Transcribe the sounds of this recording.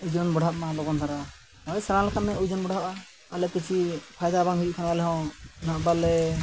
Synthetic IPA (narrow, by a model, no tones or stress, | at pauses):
ud͡ʒɔnbɔɽʱɦaʔ̚malɔɡɔnt̪aɾa | ɔɛjsɛɾãlɛkʰat̪̚mɛud͡ʒɔnbɔɽaʔa | alɛpit͡ʃʰipʰajd̪abaŋɦud͡ʒuʔkʰanabalɛɦɔ̃naʔbalɛ